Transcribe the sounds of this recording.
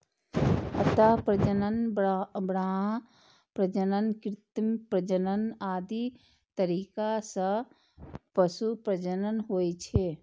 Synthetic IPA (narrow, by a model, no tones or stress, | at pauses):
ət̪aɦpɾəd͡ʒənənbɾaɦ | pɾəd͡ʒənənkɾɪt̪mpɾəd͡ʒənənaːd̪i | t̪əɾiːkasə̃ | pəsupɾəd͡ʒənənɦoːjt͡ʃʰe